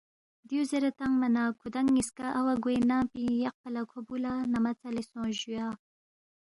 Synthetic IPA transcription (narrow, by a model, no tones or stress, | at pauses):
d̪iuzeɾat̪aŋmanakʰud̪aŋːiskaʔawaɡwenapijaq̚palakʰobulanamat͡salisõʒuja